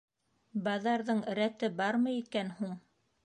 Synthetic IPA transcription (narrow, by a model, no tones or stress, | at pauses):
bɑðɑɾðɤɴɾæt̪ɘbɑɾmɤ̆jikænhuɴ